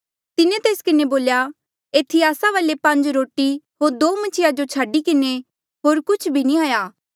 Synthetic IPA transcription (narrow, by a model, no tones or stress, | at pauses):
t̪ɪnẽt̪eːskɪneboːlja | eːt̪ʰiaːsaʋəlepɐ̃ɲd͡ʒɾoːʈiɦoːɾd̪oːmɐt͡ʃʰɪjad͡ʒot͡ʃʰaːɖikɪne | ɦoːɾkʊt͡ʃʰbʱinĩaːjaː